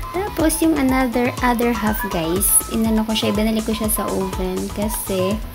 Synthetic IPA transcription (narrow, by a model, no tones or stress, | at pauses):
t̪aːposjʊŋɐnad̪ɛɹʔad̪ɛɹɦafɡajs | ʔɪnɐnokoʃaʔɪbɪnɐlɪkoʃasɐʔoːvɛnkɐsɛ